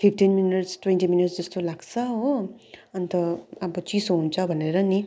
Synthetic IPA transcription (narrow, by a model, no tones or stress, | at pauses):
pʰipʈinminiʈsʈwẽnʈiminiʈsd͡zʌst̪olaɡsʰʌɦoʌnt̪ʌabʌt͡ʃisoɦunt͡sʰʌbʱʌneɾʌni